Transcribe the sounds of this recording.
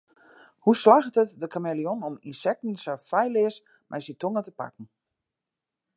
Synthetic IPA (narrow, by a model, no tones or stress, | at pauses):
huslaːxtətdəkʰamelionɔminsɛk̚tn̩sɛfɛjlɪəs | mʔɛjsitʰoŋətəpa̰kn̩